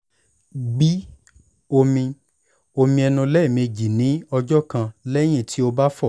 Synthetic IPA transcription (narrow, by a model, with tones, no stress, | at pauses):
ɡ͡bi˦ | o˧mĩ˧ | o˧mĩ˧ɛ˧nũ˧lɛ˦˨me˧d͡ʒi˨nĩ˨˦ɔ˧d͡ʒɔ˦kã˧lɛ˦j̃ĩ˦˨tʰi˦o˧ba˦fɔ˦˨